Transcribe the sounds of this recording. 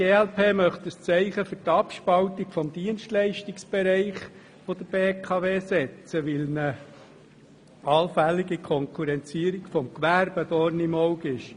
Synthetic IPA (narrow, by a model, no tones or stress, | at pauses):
ɡ̥eːɛlpʰeːmœχt̪əst͡sɛɪχəfɵɾtɑpʃpɑlt̪ikfɔmd̥̪iənʃtlɛɪʃtiksb̥ɛɾɛɪχ | fod̪əɾb̥eːkʰɑʋeːsɛt͡səʋɪlnə | ɑlfælːiɡikʰɔŋkʰuɾɛnt͡siəɾikfɔmkʋæɾb̥əd̥̪ɔɾnimɔʊɡɪʃ